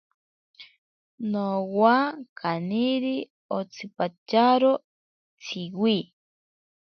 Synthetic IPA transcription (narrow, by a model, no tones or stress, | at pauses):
nowakʰaniɾi | ot͡sʰipat͡ʃaɾo | t͡sʰiwi